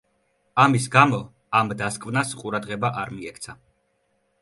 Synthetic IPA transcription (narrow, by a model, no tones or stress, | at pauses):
amisɡamɔ | amd̪askʼvnasqʼuɾad̪ʁɛbaʔaɾmiɛkʰt̪sʰa